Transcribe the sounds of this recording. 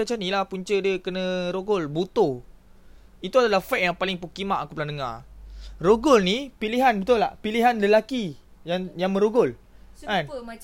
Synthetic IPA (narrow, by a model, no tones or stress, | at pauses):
at͡ʃanilahpuɲt͡ʃədəkənəɾoɡʊlbut̪o | it̪uadalahfɛk̚jaŋpalɪŋpukimaʔkupulandəŋa̰rroɡʊlnipiliɦanbət̪ʊla̰piliɦanləlaki | jaŋjaŋmə̃ɾoɡʊlan